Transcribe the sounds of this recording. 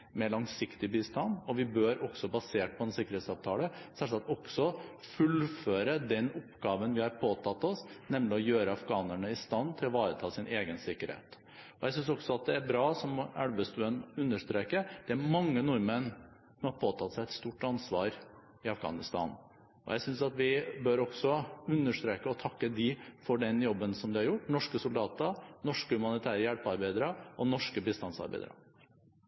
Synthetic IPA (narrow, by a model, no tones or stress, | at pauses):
meɭɑŋsɪkt̪ɪbiːst̪ɑnɔʋɪbøːɾɔksɔbɑseːʈ̚pʰɔd̪ɛnsɪkːəɾheːt̪sɑːʋt̪ʰɑːləsælsɑt̪ɔksɔfʉlføːɾəd̪ɛnɔpːɡɑːʋənʋɪhɑɾpʰoːt̪ʰɑt̪ːɔsnɛmlɪɔjøːɾəɑfɡɑːnəɳəɪst̪ɑnːt̪ʰɪlɔʋɑːɾət̪ʰɑːsɪnʔeːɡənsɪkːəɾhḛːt̪ | ɔjæɪs̬ʏnsɔksɔɑt̪̚d̪ɛæɾbɾɑːsɔmæɽʋəst̪ʉːənʉnːəʂt̪ɾeːkəd̪̥ɛæɾmɑŋːənɔɾmən | sɔmhɑɾpʰoːt̪ʰɑt̪sæɪɛt̪st̪uːʈːɑnsʋɑ̰ːɾ | ɪɑfɡɑ̰ːnɪst̪ɑ̰ːn | ɔ̰jæɪsʏnsɑt̪ʋɪbœɾɔksɔʉnːəʂt̪ɾeːkəɔt̪ʰɑkːəd̪ɪfɔɖɛnjɔbːənsɔmd̪ɪhɑɾjʊʈːnɔʂkəsʊld̪ɑːt̪əɾnɔʂkəhʉmɑnɪt̪ʰæːɾəjælpɑɾbæɪd̪əɾəɔnɔʂkəbɪst̪ɑnsɑ̰ɾbæ̰ɪd̪ə̰ɾɑ̰